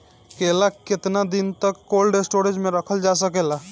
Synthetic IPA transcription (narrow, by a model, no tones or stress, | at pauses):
kelaket̪nad̪int̪əkːolɖesʈoɾed͡ʒmẽɾəkʰəld͡ʒasəkela